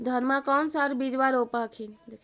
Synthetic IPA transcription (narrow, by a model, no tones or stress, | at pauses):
d̪ʱənmãkɔnsaɾbid͡ʒbaɾopəkʰind̪ekʰ